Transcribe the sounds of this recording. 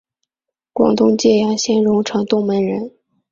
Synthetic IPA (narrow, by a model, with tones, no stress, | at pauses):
kwɑ̰˨˩ŋt̪ʊ˥˧ŋt͡ɕjɛ˥˩jɑ˧˥ŋɕjɛ˥nɻʊ˧˥ŋʈ͡ʂʰɤ˧˥ŋt̪ʊ˥˩ŋmə˧˥nɻə˧˥n